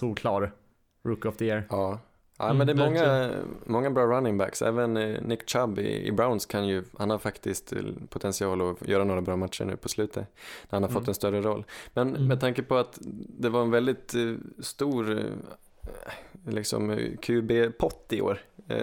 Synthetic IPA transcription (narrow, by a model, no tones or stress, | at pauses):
uːɾkʰlɑːɾ | ɾʊkːɔfd̪əeːɾɑː | ʔæ̰mɛnd̪ɛɾmɔŋːamɔŋːabɾɑːɾanːɪŋbæ̰ksɛ̰ːvənːɪkt͡ʃabɪ̰ɪ̰bɾaʊnskʰanjɵhanhaɾfakt̪ɪskt̪pʰʊt̪ʰɛnsɪɑːlɔjœːɾanoːɾabɾɑːmat̪ʂə̰ɳʉ̟ːpʰɔslʉ̟ːt̪ʰənæɾhanhaɾfɔt̪ːɛnst̪œɾəɾɔlːmɛnmɛd̪t̪ʰaŋkəpʰɔat̪d̪ɛvaɾɛnvɛld̪ɪt̪st̪uːɾ | lɪksɔ̰mkʰʉːbeːpʰɔt̪ːɪo̰ːɾ